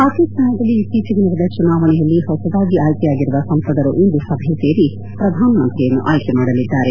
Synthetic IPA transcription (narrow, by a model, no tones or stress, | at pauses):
aːt̪isɐnɐd̪ɐlːit̪it͡ʃɐɡɐnɐɾɐd̪ɐt͡ʃunaːʋɐnɛjɐlːihɔsɐd̪aːɡiaːjkɛjaːɡiɾuʋɐsɐmpɐd̪ɐɾuʔind̪usɐbʱjɐse̞ːɾi | pɾɐd̪ʱaːnɐmɐnt̪ɾijɐnːuʔaːjkɛmaːɽɐlid̪ːaːɾe